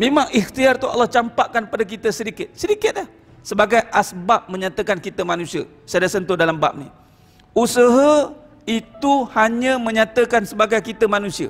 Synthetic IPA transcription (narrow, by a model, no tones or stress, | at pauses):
mẽmaŋixt̪iart̪ua̰lːɑht͡ʃampaʔkanpadak̬it̪əsəɾikɪt̪̚səɾikɪt̪̚lah | səbaɡajʔasbap̚mə̃ɲat̪əkankit̪əmanũsiə̰ | sadasənt̪ʊdalamba̰p̚nḭ | usəɦə | it̪uhaɲə̃mə̃ɲat̪əkansəbaɡajkit̪əmanũsiə̰